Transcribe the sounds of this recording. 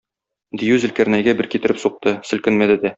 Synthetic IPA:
d̪ijʉzɘ̆lkæɾnæjɡæbɘɾkit̪ɘ̆ɾɘpsuq̚t̪ɤsɘ̆lkɘ̆nmæd̪ɘd̪æ

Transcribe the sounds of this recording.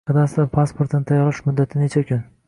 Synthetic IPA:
ɨd̪asɪd̪apʰaspoɾt̪nɪt̪ʰajɒɾɪʃmʊd̪ːat̪ʰɪnet͡ʃʰakʲʰʊn

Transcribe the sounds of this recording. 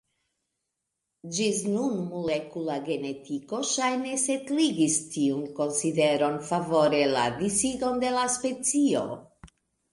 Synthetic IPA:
d͡ʒisnunmolekulaɡe̞ne̞tiko̞ʃajne̞setliɡistiunko̞nside̞ɾo̞nfavo̞ɾe̞la̰disido̞nde̞laspe̞t͡sio̞̰

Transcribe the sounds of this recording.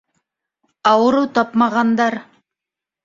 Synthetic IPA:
ɑwəɾut̪ʰɑpmɑʁɑnd̪ɑɾ

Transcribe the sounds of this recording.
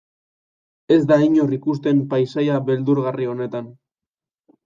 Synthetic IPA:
e̞zd̪aiɲorikust̪e̞mpajsajaβe̞ld̪uɾɣario̞ne̞t̪an

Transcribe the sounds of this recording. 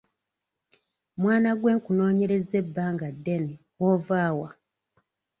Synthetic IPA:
mwaːnaɡwe̞ːŋkuno̞ːɲe̞ɾe̞ze̞bːaːŋɡadːene | woːvaːwa

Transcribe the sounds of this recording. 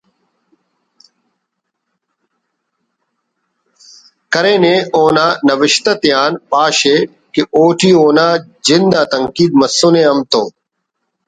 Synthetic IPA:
kɐɾeːnẽːoːnãːnɐʋɪʃt̪ɐt̪ɪjaːnɓaːɕeː | kiʔoːʈʰiːoːnaːd͡ʒɪnd̪aːt̪ɐŋkiːd̪̚mɐsːonẽːɐmt̪oː

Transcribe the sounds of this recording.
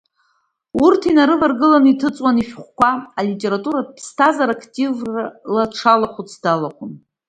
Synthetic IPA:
urtʰinaɾɨvarɡɨlanitʰɨt͡sʼwaniʃᶣχʷkʷaalitʼe̞ɾatʼuɾapʰstʰazaɾakʰtʼivalaʈ͡ʂʰalaχʷut͡sʰdalaχʷʰʊn

